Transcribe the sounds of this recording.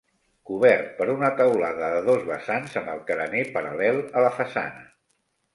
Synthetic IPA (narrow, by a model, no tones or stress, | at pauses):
kuβɛrt̪̚pəɾunət̪əwlaðəðəðozβəsanzəməlˠkəɾənepəɾəlɛlˠələfəsa̰nə